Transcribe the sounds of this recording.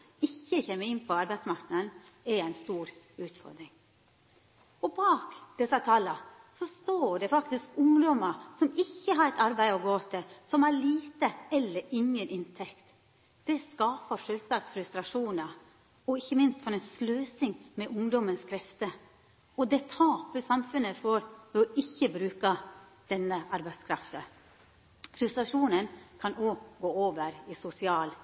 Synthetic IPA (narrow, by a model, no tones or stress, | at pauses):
ɪçːəçemːəɾɪnːpʰɔɑɾbæɪsmɑɾknəd̪n̩ææɪnst̪uːɾ | ʉːt̪fɔ̰ɾd̪ɾɪŋ | ɔbɑːkd̪̥ɛsɑt̪ʰɑːlə | sɔst̪oːɖɛfɑkt̪ɪskʊŋd̪ɔməsɔmɪçːəɦɑɾɛt̪ɑɾbæɪɔɡoːt̪ʰɪsɔmhɑliːt̪əɛlːəɾɪŋːənʔɪnt̪ʰɛkt̪ | d̪̥ɛskɑːpəʂøːlsɑk̚t̪fɾʉst̪ɾɑʂuːnə | ɔɪçːəmɪnst̪fɔɾɛɪnsløːsɪŋmɛʔʊŋd̪ɔmənskʰɾɛft̪ə | ɔd̪ɛt̪ʰɑːpəsɑmfʉnːəfɔɾʋɛɔʔɪçːəbɾʉːkɑd̪̥ɛnːəʔɑɾbæɪd̪skʰɾɑft̪ə | fɾʉst̪ɾɑʂuːnənkʰɑnoːɡoːoːʋəɾɪsʊsɪɑːl